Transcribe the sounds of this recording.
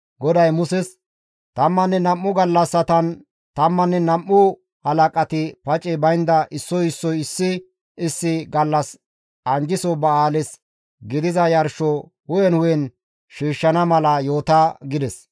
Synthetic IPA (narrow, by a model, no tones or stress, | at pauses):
ɡɔd̪ɐjmʊsɛs | t̪ɐmːɐnːɛnɐmːʊɡɐlːɐsːɐt̪ɐn | t̪ɐmːɐnːɛnɐmːʊ | hɐlɐkʼɐt̪ɪpɐt͡ʃʼɛbɐjnd̪ɐʔɪsːɔjɪsːɔjɪsːɪ | ɪsːɪɡɐlːɐs | ʔɐnd͡ʒɪsɔbɐaːlɪs | ɡɪd̪ɪzɐjɐɾʃɔ | wʊjɛnwʊjɛn | ʃiːʃːɐnɐmɐlɐjo̞ːt̪aɡɪd̪ɛs